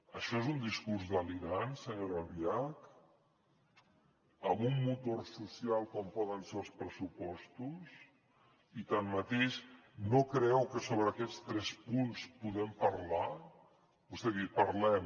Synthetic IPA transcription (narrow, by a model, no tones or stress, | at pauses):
əʃɔezund̪iskuɾzðəliɾansəɲoɾəlβiak | əmumːut̪orsusialˠkɔmpɔðənselˠspɾəsupɔst̪us | it̪amːət̪eʃnokɾɛwkəsoβɾəkɛt͡st̪ɾɛspunspuðɛmpəɾla | bust̪ɛðipəɾlɛm